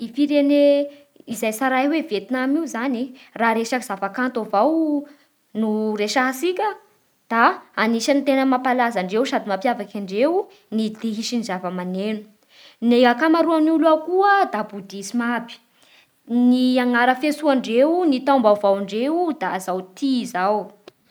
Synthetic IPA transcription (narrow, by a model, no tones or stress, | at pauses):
ifiɾene | izajsaɾajwevet̪inamiuzaniraɾeʃakiz̥avakant̪ovaw | nuɾeʃaɦasikʲə | d̪̥aːniʃanit̪enəmapalazaɳɖ͡ʐewsad̪imapjavakʲaɳɖ͡ʐew | nid̪eɦiʃinizavəmanenu̥ | neakamaɾuanuluakuəd̪abud̪isimabi̥ | niaŋaɾəfesuaɳɖ͡ʐewnit̪ambavawɳɖ͡ʐeud̪azawt̪izaw